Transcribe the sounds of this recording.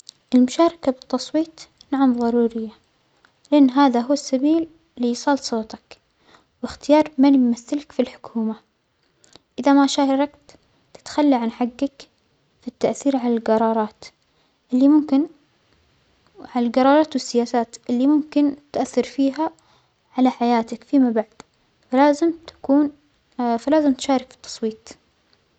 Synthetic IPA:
ʔɪlmʊʃɑːɾˤɑkabɨt̪ːɑsˤwiːt̪ | naʕamðˤɑɾˤuːɾɪjːa | lɪʔanːɦaːðaɦʊwːasːabiːl | lːisˤɑːlsˤoːt̪ɑk | wɪxt̪ɪjɑːɾˤmanjmaθːɪlkfilħʊ̥kʰuːma | ʔɪðamaʃaːhɑɾˤɑkt̪ː | ɪ̥t̪xalːiʕanħaɡːak | fit̪ːaʔθiːɾʕalalɡɑɾˤɑːɾˤɑːt̪ | ʔɪlːimʊmkɪn | ʕalalɡɑɾˤɑːɾˤɑːt̪wɪsːɪjaːsaːt̪ʔɪlːimʊmkɪnt̪ʔaθːɑɾfiːɦa | ʕalaħajaːt̪akfimabaʕd̪ | falaːzɪmt̪ḁkuːn | falaːzɪmt̪ʃaːɾˤɪkfi̥t̪ːɑ̥sˤwiːt̪ˤ

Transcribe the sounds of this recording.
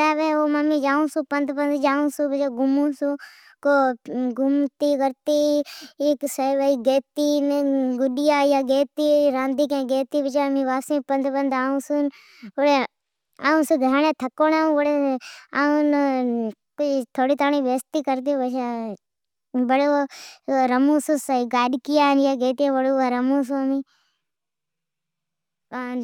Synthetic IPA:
aːʋeːoːmamĩːd͡ʒaːũːsũːpənd̪pənd̪d͡ʒaːũːsũːbət͡ʃeːɡʊmũːsuː | koːɡʊmt̪iːkəɾt̪iː | ksəʋəiːɡeːt̪iːnɡʊɗɪjaːjaːɡeːt̪iːɾãːnd̪iːk̬ẽːɡeːt̪iːʋɪt͡ʃaːmĩːʋaːsĩːpənd̪pənd̪aːũːsun | oɽe | aːũsuɡ̪ʱəɾɳẽːt̪ʰɐkoːnaːũʊɽeaːũn | kt̪ʰoːɽiːt̪aːɳiːʋeːst̪iːkəɾt̪iʋət͡ʃa | bəɽoɾəmũːsusaiɡaːɗkijaːnjaːɡeːt̪iẽːʋəɽoːaːɾəmũːs̬omĩː | a

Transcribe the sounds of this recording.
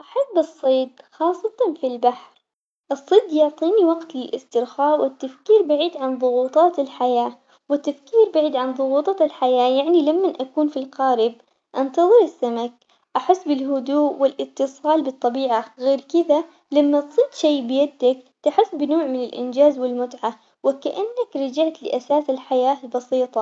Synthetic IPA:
ʔaħabbːɨsˤːiːd̪xɑːsˤːɑt̪ˤɑnfilbaħɾ | ʔɨsˤːɨd̪jʊʕt̪ˤiːniwɑɡt̪lɪlʔɪst̪ɪɾxaːwɪt̪ːafkiːɾbaʕiːd̪ʕanðˤʊɣuːt̪ˤɑːt̪ɪlħajaː | wɪt̪ːafkiːɾbaʕiːd̪ʕanðˤʊɣuːt̪ˤɑɪlħajaːjaʕnilamːanʔakuːnfilqɑːɾɪb̚ | ʔɑnt̪ɑðˤɨɾɪsːamak̚ | ʔaħɪsːbɪlɦʊd̪uːʔwɪlʔɪt̪ːɨsˤɑːlbɨt̪ˤːɑbiːʕaɣeːɾkɪða | lamːat̪sˤiːd̪ʃejːbɪjad̪ːakt̪aħɪsːbɪnoːʕmɪnɪlʔɪ̰nd͡ʒaːzwɪlmʊt̪ʕa | wɪkaʔanːakɾˤɑd͡ʒaʕt̪lɪ̰ʔasaːsɪlħajaːlbɑsiːt̪ˤɑ

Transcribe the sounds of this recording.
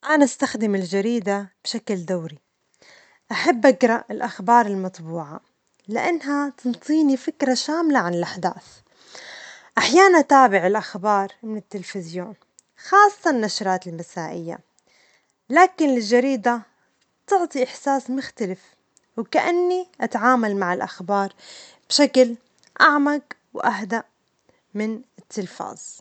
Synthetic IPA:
ʔanaʔast̪axd̪ɪmɪld͡ʒaɾiːd̪ab̥ʃakld̪awɾi | ʔaħabːʔaɡɾˤɑʔɪlʔaxbɑːɾˤɪlmɑt̪ˤbuːʕa̰ | lɪʔanːɦat̪ɨnt̪ˤiːnifɪkɾaʃaːmlaʕanɪlʔaħd̪a̰ːθ | ʔaħjaːnat̪aːbɪʕɪlʔaxbɑːɾˤmɪnɪt̪ːɪlfɪzjoːn | xɑːsˤːɑnːaʃɾˤɑːt̪ɪlmasaːʔɪjːa̰ | laːkɪnlɪld͡ʒːaɾiːd̪a | t̪ʊʕt̪ˤiʔɪħsaːsmʊxt̪alɪf | wkaʔanːiʔat̪ʕaːmalmaʕɪlʔaxbɑːɾˤ | b̥ʃakl | ʔaʕmaɡ | wʔaɦd̪aʔ | mɪnɪt̪ʰːɪlfa̰ːz̥

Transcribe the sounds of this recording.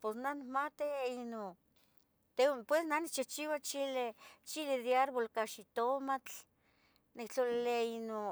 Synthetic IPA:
posnanikmat̪iino | t̪epwesnanikt͡ʃit͡ʃiwat͡ʃilet͡ʃileðjaɾbolkaʃit̪omat͡ɬ | nikt͡ɬolileino

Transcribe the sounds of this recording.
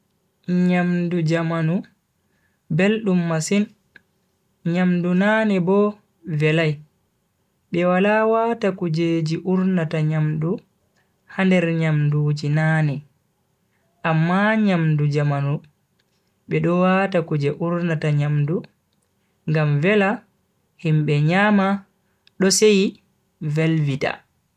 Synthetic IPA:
ɲamdud͡ʒamanu | belɗumːasin | ɲamdunaːnɛbɔ | vɛlaj | ɓɛwalawatakud͡ʒeːd͡ʒiʔuɾnataɲamdu | handɛɾɲamduːd͡ʒinaːnɛ | ʔamːaɲamdud͡ʒamanu | ɓɛɗɔwatakud͡ʒɛʔuɾnataɲamdu | ŋɡamvɛla | himɓɛɲaːma | ɗɔsej | vɛlvita̰

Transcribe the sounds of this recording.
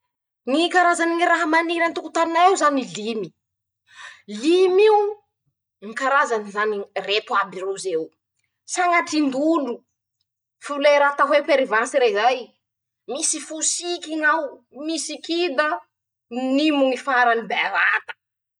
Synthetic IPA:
nikaɾazaniŋiɾaɦamaniɾant̪ukut̪aninaewzanilimi | limiu | ŋikaɾazanizaniret̪uabirezew | saŋaʈ͡ʂind̪unu | fuuleɾat̪aɦwepeɾivansiɾezaj | misifusikiŋaw | misikid̪a | nimuŋifaɾanibeɾat̪ḁ

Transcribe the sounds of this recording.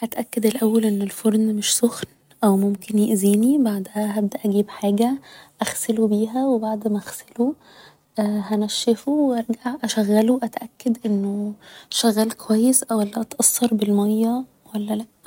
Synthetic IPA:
ʔæt̪ʔækːæd̪elʔæwːælʔenːelfoɾˤnmeʃsoxn | ʔæwmomkenjeʔziːnibaʕd̪hæɦæb̚d̪æʔæɡiːbħaːɡæʔæxselobiːɦæwebaʕd̪mæʔæxselo | hænæʃːefoweʔɑɾˤɡaʕʔæʃæɣːæloʔæt̪ʔækːæd̪ʔenːoʃæɣːæːlkʰowæjːesʔæwʔælːæʔɑt̪ʔɑsˤːɑɾˤbelmæjːæ | wælːælæʔ

